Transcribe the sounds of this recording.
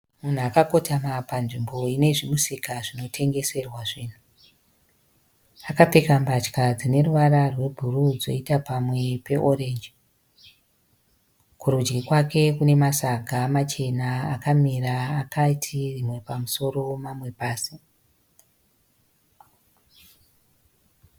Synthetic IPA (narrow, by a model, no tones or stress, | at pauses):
mun̤uakako̞tʰamapanʐimbo̞ine̞ʐimusikaʐino̞tʰe̞ŋɡe̞se̞rwaʐiːn̤u | akapekambat͡ʃkad͡zine̞ruʋaɾarwe̞bʱurud͡zo̞̰itapamwe̞pe̞ʔoɾe̞ːnd͡ʒi | kuɾud͡ʒɡikwake̞kune̞masaɡʱamat͡ʃe̞naːkamiraːkaitʰirimwe̞pamuso̞ro̞mamwe̞paːsi